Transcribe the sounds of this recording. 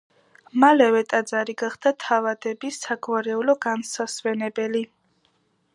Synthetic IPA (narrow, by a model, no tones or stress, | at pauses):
malɛvɛt̪ʼad̪zaɾiɡaχd̪̥at̪ʰavad̪ɛbisaɡvaɾɛulɔɡansaswɛnɛbɛli